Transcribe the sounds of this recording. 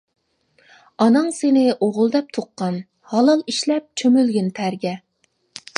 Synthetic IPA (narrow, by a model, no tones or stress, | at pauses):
ɑnɨŋsenɪʔoʁʊlˠd̪ɛp̚t̪ʰoqːɑn | hɑlˠɑlˠiʃlɛp̚t͡ʃʰømylɡʲynt̪ʰæɾɡʲɛ